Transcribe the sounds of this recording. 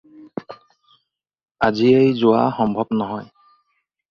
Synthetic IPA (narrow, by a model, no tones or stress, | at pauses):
aziejzʊwa̰xɔmbʱɔbnɔɦɔj